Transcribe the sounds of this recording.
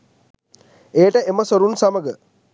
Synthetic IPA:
eːʈəeməsoɾunsaməɡə

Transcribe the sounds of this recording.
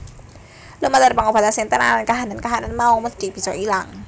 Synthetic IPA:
lumalərpaŋob̥a̤t̪asint̪əna̰lankaɦanənkaɦanənmauməd̪̥ib̥i̤sɔʔilaŋ

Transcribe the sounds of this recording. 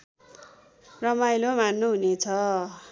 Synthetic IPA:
rʌmajlomanːoɦunet͡sʰʌ

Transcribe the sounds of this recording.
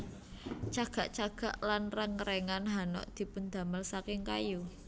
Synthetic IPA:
t͡ʃaɡ̥a̤ʔt͡ʃaɡ̥a̤ʔlanrəŋəɾɛŋanɦanɔ̰ʔd̪̥i̤pʊnd̪ä̤məlsakɪŋkaju

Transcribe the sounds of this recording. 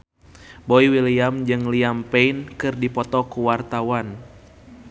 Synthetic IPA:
boiwiliamd͡ʒɨŋliampɛinkɨrdipɔt̪ɔkuwart̪awan

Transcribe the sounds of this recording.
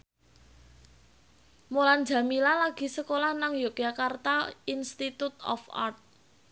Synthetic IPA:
molan̥d͡ʒa̤milalaɡ̥i̤səkolahnaŋjokjakart̪ainst̪it̪ut̪ɔ̰fa̰rt̪̚

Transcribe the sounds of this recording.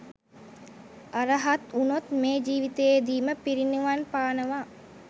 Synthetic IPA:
aɾəɦat̪unot̪meːd͡ʒiːʋit̪eed̪iːməpiɾinuʋanpaːnəʋa

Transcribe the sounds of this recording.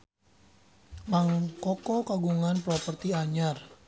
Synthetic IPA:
maŋkɔkɔkaɡuŋanpɾɔpərt̪iaɲar

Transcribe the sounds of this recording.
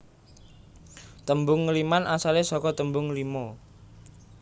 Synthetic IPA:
t̪əmbʊŋːəlimanʔasalesɔkɔt̪əmbʊŋlimɔ

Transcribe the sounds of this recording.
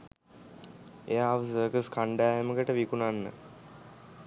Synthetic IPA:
ejaːʋəs̬əːkəskaɳɖæːɦeməkəʈəʋikunanːə̰

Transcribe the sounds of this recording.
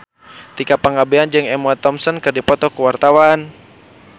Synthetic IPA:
t̪ikapaŋabɛand͡ʒɨŋɛmɔt̪ɔmsɔnkɨrdipɔt̪ɔkuwart̪awan

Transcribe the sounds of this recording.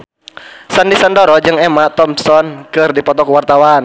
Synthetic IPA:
sandisɔndɔɾɔd͡ʒɨŋɛmat̪ɔmsɔnkɨrdipɔt̪ɔkuwart̪awan

